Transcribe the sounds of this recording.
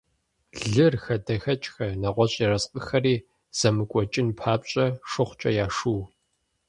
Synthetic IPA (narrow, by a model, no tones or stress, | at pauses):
ɮɨrxɐdɐxɐt͡ʃʼxɐnɐʁʷɔɕʼirɐsqʼəxɐriː | z̥ɐmɨkʷʼɔt͡ʃʼɪnpʰaːpɕʼɐʂɨχʷt͡ʃʼɐjaːʂuw